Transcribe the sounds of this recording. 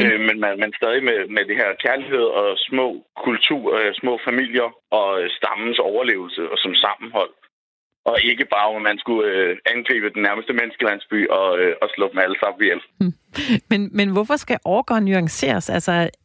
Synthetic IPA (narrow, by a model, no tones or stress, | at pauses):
ømenmæmænsd̥ɛːðˠimemed̥e̝ɦeɐ̰kʰæɐlihe̝ð̞̰ˠɒ̽smɔ̰̽ːkʰult͡sʰṵːɐsmɔ̰̽ːfæmil̰jɐ | ɒ̽øsd̥ɑ̈mn̩sɒʊɐle̝̰ːʊl̩səsɒ̽msɑ̈mm̩hɒ̽l̰ | ʔɒ̽e̝ɡ̥əb̥ɑ̈ːɒmmænsɡ̥uøænɡ̥ʁḭːb̥əd̥enːæɐməsd̥əmenəsɡ̥əlæn̰sb̥y̰ːʔɒ̽ɒ̽slɔb̥m̩æləsɑ̈m̰̩ʋijel | menmenʋɒfɒsɡ̥æʔɒːɡ̥ɒ̰ːnːyɑ̈ŋse̝̰ːɐsælsɒ